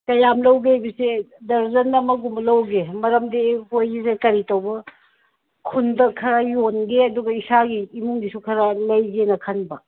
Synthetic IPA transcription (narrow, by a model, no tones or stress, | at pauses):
tɐjamlɐwɡeajbɐsedɐɾzɐnɐmɐɡumlɐwɡemɐɾɐmdebojisekɐɾitɐwbɐ | kʰundɐkʰɐɾajonɡeɐduɡɐisaɡiːmuŋdisukʰɐɾalɐjɡenɐkʰɐnbɐ